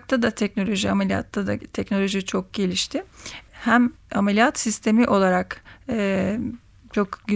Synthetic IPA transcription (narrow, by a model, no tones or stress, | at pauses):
k̚t̪ʰad̪at̪ʰɛc̚no̞lʲo̞ʒiamelʲija̰t̪ʰːad̪a̰t̪ʰɛcno̞lʲo̞ʒit͡ʃʰo̞k̚ɟ̥e̞lʲiʃt̪ʰɪhæmamelʲijat̪sist̪ʰe̞miʔo̞lˠaɾakː | t͡ʃʰo̞kɟy